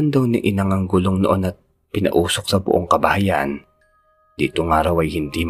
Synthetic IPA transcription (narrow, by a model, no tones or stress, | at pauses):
ɐnd̪ɐwnḭʔɪnɐŋɐŋɡʊloŋnoʔo̞nɐt̪̚ | pɪnɐ̰ʔuːsok̚sɐbʊ̰ʔoŋkɐbɐhɐjaʔn | d̪̥ḭːt̪oŋaːɾɐwɐjhɪnd̪im